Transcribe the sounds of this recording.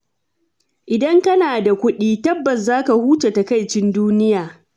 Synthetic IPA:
ʔɪ˨dɐ˦ŋkɐ˦naː˨da˨kʷʊ˦ɗiː˦tɐ˦bːɐ˨s̬zaː˦ka˨huː˦t͡ʃe˨ta˨ka˦˨jt͡ʃɪ˦nduː˦nɪ˦jaː˨

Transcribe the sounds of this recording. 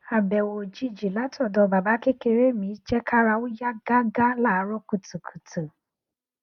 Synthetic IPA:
a˨bɛ˨wo˨d͡ʒi˦d͡ʒi˨la˦tɔ˨dɔ˨ba˨ba˦ke˦ke˧ɾe˦mi˨˦t͡ʃɛ˦kʰa˦ɾa˧wu˦ja˦ɡa˦ɡa˦la˦˨˦ɾɔ˦ku˨tu˨kʰu̥˨tu˨

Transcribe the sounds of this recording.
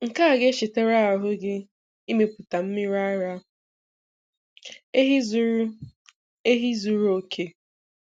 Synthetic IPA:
ŋ̩˨ka˦a˨ɡe˦ʃɪ˨te˦ɾa˦a˨ɦʊ˦ɡɪ˦ | i˦me˨pʊ˨ta˨m̩˦mɪ˦ɾa˦ɾa˦ | e˦ɦi˦zɾ | e˦ɦi˦zu˦ɾu˦o˦kʰe˦

